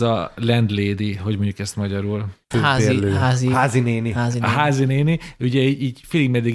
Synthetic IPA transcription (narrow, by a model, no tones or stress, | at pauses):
zɒlɛnd̪leːd̪iɦo̞ɟmo̞ɲɟukɛst̪mɒɟɒɾulføːaeøːazihaːzineːniaːziɦaːzineːniuɟɛiiːɟfiːliɡmɛd̪iɡ